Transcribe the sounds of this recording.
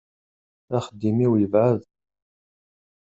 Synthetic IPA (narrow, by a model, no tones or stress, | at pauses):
æχəd̪ːimiwjəvʕəð